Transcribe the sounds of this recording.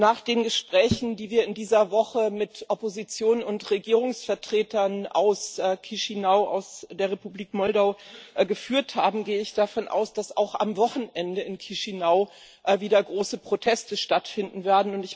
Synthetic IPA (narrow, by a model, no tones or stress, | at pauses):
naːχd̥eːnɡəʃpʁ̥ɛːçn̩diːviːɐɪndiːzɐvɔχəmɪtʔɔpozit͡sjoːnnʊntʁeɡiːʁʊŋsfɛɐtʁ̥eːtɐnʔa̰ʊskʰiʃinaʊʔa̰ʊsd̥eːɐʁepubliːkmɔldaʊɡəfyːɐthaːbm̩ɡeːəɪçd̥afɔnʔa̰ʊsd̥asa̰ʊxʔa̰mvɔχn̩ʔɛndəɪnkʰiʃinaʊ | ʔviːdɐɡʁoːsəpʁ̥otʰɛstəʃtatfɪndn̩veːɐdn̩ʊntɪç